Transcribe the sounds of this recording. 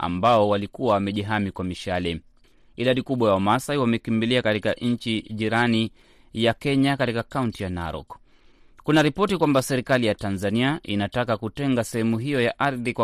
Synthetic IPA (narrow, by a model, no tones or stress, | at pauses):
a̰mbaɔwalikuwawamɛʄiɦamikwamiʃalɛ | iɗaɗikuɓwajaɔmasaiwamɛkimbiliakatikaʔɲ̩t͡ʃiʄiɾani | jakɛɲakatikakauntijanaɾɔ̰k | kunaɾipɔtikwambasɛɾikalijatanzaniaʔinatakakutɛŋɡasɛhɛmuɦijɔjaʔaɾðikwa